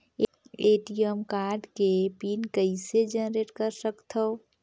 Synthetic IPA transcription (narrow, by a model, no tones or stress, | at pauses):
eʈijəmkaːɾɖkepiːnkəɪsed͡ʒənɾeʈkəɾsəkt̪ʰəw